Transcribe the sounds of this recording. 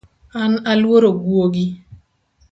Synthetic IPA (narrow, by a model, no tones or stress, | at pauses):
analwoɾoɡwoɡi